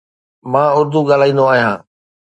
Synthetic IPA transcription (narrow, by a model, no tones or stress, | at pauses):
mãːʊɾd̪uɠaːl̤aːĩːnd̪oaːɦijãː